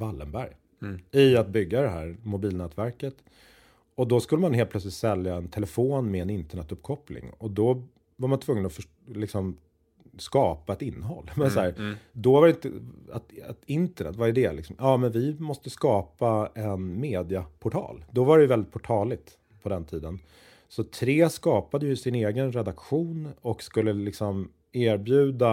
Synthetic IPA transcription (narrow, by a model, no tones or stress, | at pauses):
valːəmbæ̰ɾj | ɪat̪̚bʏɡːad̪ɛɦæːɾmʊbiːlnɛːt̪væɾkət̪ | ɔd̪ɔskɵlːəmanɦel̚plœtslɪt̪sɛljaɛnt̪ʰɛlɛfoːnmɛɛnɪnt̪əɳɛt̪ːɵpːkʰɔplɪ̰ŋɔd̪ɔ | vaɾmant̪ʰvɵŋːənɔfœ | lɪksɔm | skɑːpaɛt̪ɪnːəɦɔ̰lːmɛnsɔhæːɾd̪ɔvaɾɪnt̪ə̰a̰t̪at̪ɪnt̪əɳɛ̰t̪ːvaɾɛd̪ɛlɪksɔmjʔɑːmɛnvɪmɔst̪əskɑːpaɛnmeːd̪ɪapʰʊʈʰɑ̰ːld̪ɔvaɾɛjəvɛld̪ɪt̪̚pʰʊʈʰɑːlɪt̪ | pʰɔd̪ɛnt̪ʰiːd̪ən | sɔt̪ʰɾeːskɑːpad̪əjɵsɪneːɡənɾɛd̪akɧuːnɔkskɵlːəlɪksɔm | eːɾbjʉ̟ːd̪a